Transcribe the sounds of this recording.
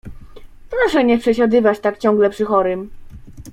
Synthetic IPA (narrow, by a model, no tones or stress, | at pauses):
pɾɔʂɛɲɛpʂɛɕad̪ɘvat͡ɕt̪akt͡ɕɔ̃ŋɡlɛpʂɘxɔɾɘm